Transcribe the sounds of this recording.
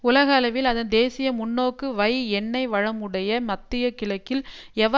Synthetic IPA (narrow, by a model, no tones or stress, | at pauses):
ʊlɐɣɐːlɐʋɪlɐðɐnd̪eːsɪjɐmʊnːoːkːɯʋɐɪɛnːɐɪʋɐɻɐmɯɽɐjɐmɐt̪ːɪjɐkɪlɐkːɪlɛʋɐ